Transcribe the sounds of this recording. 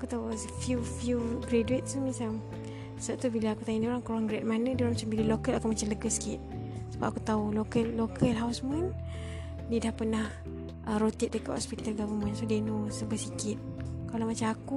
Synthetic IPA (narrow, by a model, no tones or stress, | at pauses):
akut̪ausəfjufiuɡɾeduɪt̪̚sumĩsalm | səʔ̚t̪ubilaakut̪aɲidioɾaŋkuɾaŋɡɾɛt̪̚manədioɾaŋmat͡ʃambiləlokəlakumat͡ʃamləɡəsə̥kɪt̪̚səbap̚ʔakut̪aulokəlːokʰəlɦawsmən | didahpənah | ʔəɾot̪it̪̚dəkaʔhɔ̰spit̪alɡavəmənsodenosəbəsikɪt̪̚kalawmat͡ʃamaku